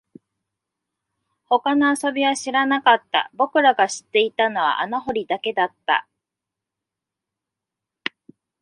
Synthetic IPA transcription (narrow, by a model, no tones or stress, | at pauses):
ho̞kano̞aso̞bʲiβaɕiɾanakat̪ːa̰bo̞kɯ̟ɾaɡaɕi̥t̪ːe̞it̪ano̞β̞a̰ʔanaɦo̞ɾʲid̪ake̞d̪at̪ːa̰